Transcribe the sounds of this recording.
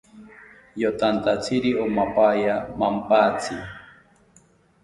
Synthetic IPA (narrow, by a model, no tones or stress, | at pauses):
jot̪ant̪at͡sʰiɾiomapajamampat͡sʰi